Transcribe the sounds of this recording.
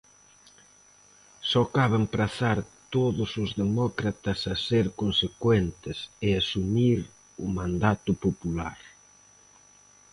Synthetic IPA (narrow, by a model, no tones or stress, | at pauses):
sɔkaβɪŋpɾaθaɾt̪oðʊsʊzðemɔkɾat̪ɐsɐseɾkonsekwent̪ɪsɪasumiɾ | ʊmãnd̪at̪ʊpopulaɾ